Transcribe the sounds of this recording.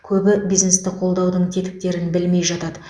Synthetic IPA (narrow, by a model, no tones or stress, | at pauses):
kʲʰɵbɪbijzne̞st̪ɪqʰo̞lˠd̪ɑwd̪əɴt̪ʲʰe̞t̪ɪ̥k̚t̪e̞ɾɪnbɪlme̞jʒɑt̪ɑd̪ə